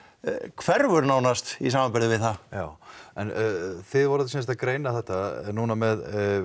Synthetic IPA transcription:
kʰvɛɾvʏɾnaːwnast̪isaːmapɪɾðɪvɪðθajaːwɛnθɪðvɔɾʏðsɛns̬t̪akɾeːjnaθɛht̪anunamɛð

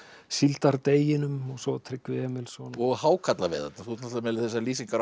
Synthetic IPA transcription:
silt̪aɾt̪eːjɪnʏmɔɣsɔwt̪ʰɾɪkːʏɛːmɪlsɔnɔhaːwkʰat̪lavɛ̰ːða̰t̪naθut̪nat̪amɛlɪθɛsːaliːsiŋkaɾ

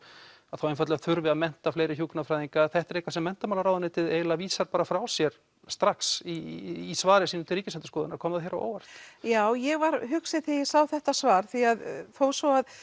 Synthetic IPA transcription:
aðθawenfat̪lɛɣaθʏɾvɪaðmɛn̥t̪afleːjɾɪçuːknafɾajðiŋkaθɛht̪ɾejkvasɛmːɛnt̪amawlaɾawðanɪt̪ʰɪðeːjlaviːsaɾpaːɾafɾawsjɛɾ̥ | st̪ɾaksiːsvaːɾɪsiːnʏmt̪ʰɪlriːcɪsɛnt̪ɪskɔːðɪnaɾ̥kʰɔːmðaðçɛɾa̰wo̰ːwvar̥t̪jaːwjɛɣvaɾ̥ɦʏksɪθijɛsaːwθɛht̪asvaːɾ̥θiaðfoːwsvɔað

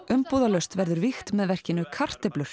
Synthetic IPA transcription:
ʏmpuːðalœɥst̪vɛɾðʏɾvixt̪mɛðvɛr̥cɪnʏkʰar̥t̪ɛplʏɾ̥

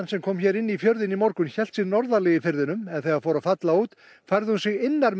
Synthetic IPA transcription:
nsɛmkʰɔːmçɛɾɪnːifjœɾðɪnimɔɾkʏnçɛlt̪sɪnɔɾðalɛɣɪfɪɾðɪnʏmɛðθɛɣaðfɔːwɾafat̪lauːt̪ | fajɾðɪhunsɪɣɪnːaɾ

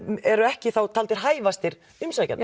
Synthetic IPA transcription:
ɛɾʏɛhcɪθawt̪ʰalt̪ɪɾ̥ɦaːjvast̪ɪɾ | ʏmsaca̰n

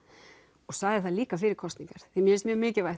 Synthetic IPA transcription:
ɔɣsaɣðɪθaðliːkaf̬ɪːɾɪɾkʰɔst̪niŋkaɾ̥θimjɛɛɾsmjœːɣmɪːcɪvajh

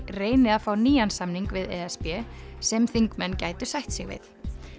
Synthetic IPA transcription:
reːjnɪðaðfaːwniːansamniŋkvɪðɛɛspɛsɛmθiŋkmɛnːcajt̪ʏ̥sajht̪sɪɣvɪ̰θ

